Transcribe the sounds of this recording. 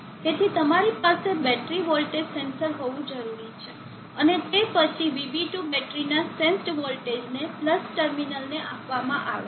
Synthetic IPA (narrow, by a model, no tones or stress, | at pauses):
t̪et̪ʰit̪əmaɾipasebɛʈɾiʋolʈed͡ʒsensəɾɦoʋũd͡ʒəɾuɾit͡ʃʰe | ənet̪epət͡ʃʰiʋibiʈubɛʈɾinasẽnsʈʋolʈed͡ʒnepləsʈəɾminəlneʔapʋamãʔaʋe